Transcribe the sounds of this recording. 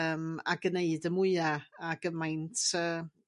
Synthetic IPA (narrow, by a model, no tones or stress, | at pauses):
əːma̰ɡəneɨdəmʊɨaaɡ̥əmajntʰəː